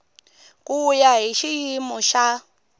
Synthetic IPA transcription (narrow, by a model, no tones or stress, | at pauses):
kʼujaɦiʃijimɔʃa